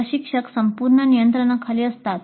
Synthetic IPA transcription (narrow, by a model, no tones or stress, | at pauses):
əɕikʂəksəmpuɾɳənijənt̪ɾəɳakʰaliːəst̪at̪